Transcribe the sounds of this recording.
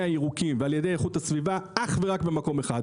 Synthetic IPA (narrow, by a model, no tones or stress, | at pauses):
aiʁukimvealje̞de̞jeχuthasvivaʔaχve̞ʁakbe̞mako̞meχad